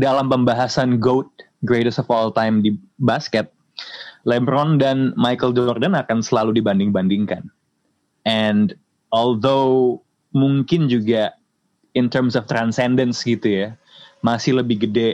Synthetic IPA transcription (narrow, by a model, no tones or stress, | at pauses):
dalampəmbaɦasanɡowt̪̚ | ɡɾeɾəsɔfɔlt̪ajmdibaskɛt̪̚ | lɛmbɾɔndanmajkəldɔrdənakansəlaludibandɪŋbandɪŋkan | ɛnd | ɔld̪o | muŋkɪnd͡ʒuɡa | ɪnt̪ərmsɔft̪ɾansɛndənsɡit̪uja | masɪhləbɪhɡədɛ